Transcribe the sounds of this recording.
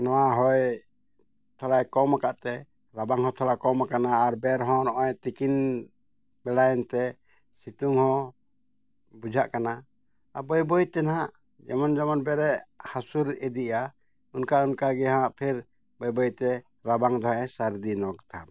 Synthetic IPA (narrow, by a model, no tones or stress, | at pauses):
nɔwaɦɔj | t̪ʰɔlajkɔmakaʔt̪ɛ | ɾabaŋɦɔt̪ʰɔlakɔmakanaːɾbɛɾɦɔ̃nɔʔɔjt̪ikin | bɛlajɛnt̪ɛ | sit̪uŋhɔ̃ | bud͡ʒʱaʔkana | abɔjbɔjt̪ɛnɦãʔ | d͡ʒɛmɔnd͡ʒamɔnbɛɾɛʔhasuɾɛd̪iʔa | unkaunkaɡɛɦãʔpʰɛɾ | bɔjbɔjt̪ɛ | ɾabaŋd̪ɔɦɛsaɾd̪inɔɡt̪ʰa